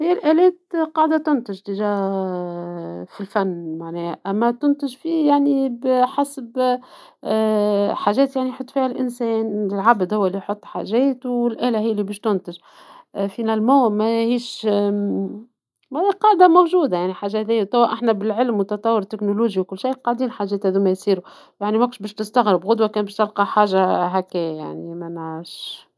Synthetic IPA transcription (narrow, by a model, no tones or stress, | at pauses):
hijːælʔælɛːt̪qɑːʕd̪at̪ʊnt̪ɪʒt̪ɪʒæ | filfænːmaʕnɛːhæʔæmːæt̪ʊnt̪ɪʒfiːjaʕnibħasb | ħaʒɛːt̪jaʕnijħot̪ːˤfiːhælʔɪnsɛːnɪlʕabd̪hʊwːælːijħot̪ˤːħa̰ʒɛːt̪wɪlʔæːlæhɪjːælːibiːʃt̪ʊnt̪ɪʒ | finælmuːmæhiːʃ | mædiqɑːʕd̪amowʒuːd̪ajaʕniħaːʒːahæðijːæt̪ˤæwːæʔaħnæbɪlʕɪlmwt̪ɑt̪ˤɑwːʊɾt̪ɪknʊluːʒiwkʊlːʃiːqɑʕd̪iːnħaʒːɛːt̪hæðuːmæjsiːɾu | jaʕnimækʊʃbɛːʃt̪ɪst̪aɣɾɪbɣʊd̪wakɛːnbɛːʃt̪ɪlqɑħaːʒaɦækɛːja̰ʕnimænːʃ